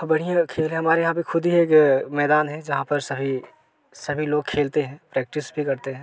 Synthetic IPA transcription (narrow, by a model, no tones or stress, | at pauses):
bɐɽ̤ijãkʰeːlɦɛ̃ɦɐmaːɾejɦãbʱixʊd̪ʱieːkmɛːd̪aːnɦɛ̃d͡ʒɐɦãpɐɾsɐbʱi | sɐbʱiloːɡ̚kʰeːlt̪eɦɛ̃ːpɾɛːk̚ʈɪsbʱikɐɾt̪eɦɛ̃ː